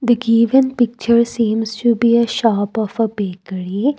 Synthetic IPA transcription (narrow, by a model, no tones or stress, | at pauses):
d̪əɡiːʋə̃npɪk̚t͡ʃəɾsĩːmsʈubiːəʃɔːpɔfəbeːkəɾi